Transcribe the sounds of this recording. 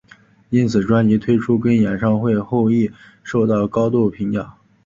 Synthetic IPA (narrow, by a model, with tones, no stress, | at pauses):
i˥nt͡sʰɹ̩˨˩ʈ͡ʂwa˥nli˧˥t̪ʰwe˥ɪʈ͡ʂʰu˥kə˥njɛ˨˩nʂɑ˥˧ŋxwe˥˧ɪxo˥˧ʊi˥˩ | ʂo˥˧ʊt̪ɑ˥˩ʊkɑ˥ʊt̪u˥˩pʰi˧˥ŋjɑ˨˩˦